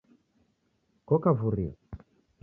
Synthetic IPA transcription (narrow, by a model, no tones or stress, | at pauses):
kɔkavuɾḭa̰